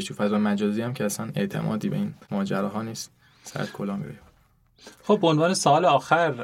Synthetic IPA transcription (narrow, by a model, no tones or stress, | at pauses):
ʃt̪ʰufæzɒːjemæd͡ʒɒːziːæmcʰeæsæne̞̰ʔt̪ʰe̞̰mʔɒ̰ːd̪iːbeiːnmɒːd͡ʒæɾɒːɦɒːniːst̪̚ | sæ̰t̪kʰolɒːmḭɾṵj | xob̚ːeonvɒːnesɒɒːleɒːxæɾ